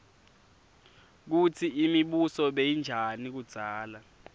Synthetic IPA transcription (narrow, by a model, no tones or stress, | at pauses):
k̬ut͡sʰiimiɓusɔɓejind͡ʒʱanik̬ud̥z̥ʱaːla